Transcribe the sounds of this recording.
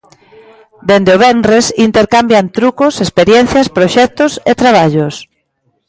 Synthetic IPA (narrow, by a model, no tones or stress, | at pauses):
d̪end̪eoβ̞ɛnresint̪eɾkambjant̪ɾukosespeɾjɛn̟θjaspɾoʃɛk̚t̪ʊset̪ɾaβ̞aʎʊs